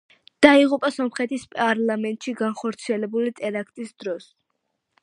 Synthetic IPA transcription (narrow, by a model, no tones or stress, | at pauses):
d̪̥aiʁupʼasɔmχɛt̪ʰispʼaɾlˠamɛnt̪ʼʃiɡanχɔɾt̪sʰiɛlɛbulit̪ʼɛɾakʰt̪ʼisd̪ɾɔs